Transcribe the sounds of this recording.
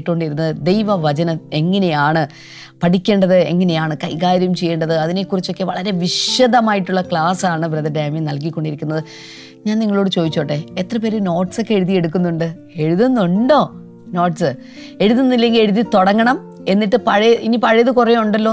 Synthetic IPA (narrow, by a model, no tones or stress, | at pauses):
ʈːko̞ɳɖiɾunːɐðɨd̪e̞jʋɐʋɐt͡ɕɐnɐme̞ŋːɐnejaːɳɨ | pɐʈikʲːe̞ːɳɖɐðɨe̞̰ŋːɐne̞jaːɳɨkɐjkaːɾjɐumt͡ɕe̞jːeːɳɖɐðɨɐðine̞kːurit͡ɕːo̞kːeʋɐɭɐɾe̞ʋiʂjɐðɐmaːjiʈːuɭːɐkɭaːsaːɳɨbɾɐðɐdeːminɐlk̬ikʲːo̞ɳɖiɾikʲːunːɐðɨ | ɲaːnniŋːɐɭoːɽɨt͡ɕo̞ːðit͡ɕːoːʈːe̞et̪rɐpe̞ːɾuno̞ːʈso̞kːe̞ɻuðije̞ɽukːunːuɳɖɨ | e̞ɻuðunːuɳɖo̞ː | no̞ːʈsɨ | e̞ɻuðunːilːe̞ŋɡile̞ɻuðit̪o̞ɽɐŋːɐɳɐm | e̞nːiʈːɨpɐɻinipɐɻɐjɐðɨkurɐjuɳɖɐlːo̞ː